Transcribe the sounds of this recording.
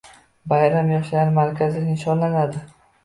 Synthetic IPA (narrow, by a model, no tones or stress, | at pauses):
bajɾamjɒʃlaɾɪmaɾkʲʰazɪɪnɪʃɒnlanad̪ɪ